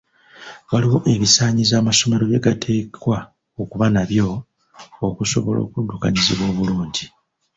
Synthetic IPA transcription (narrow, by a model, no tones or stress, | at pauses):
βaliwo̞ʔe̞βisaːɲizaːmaso̞me̞ɾo̞βje̞ɡatʰe̞ːkwa | okuβanaβjo̞ː | kuso̞̰βo̞̰lo̞̰ːkudːuka̰ɲiziβwo̞ːβuluːɲɟi